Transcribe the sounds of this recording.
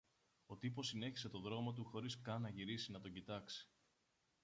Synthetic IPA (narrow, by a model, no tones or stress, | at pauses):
o̞t̪ipo̞sine̞çi̥se̞t̪o̞ðɾo̞mo̞t̪̬uxo̞ɾiskɐnɐʝiɾisinɐt̪o̞ɟit̪ɐksi̥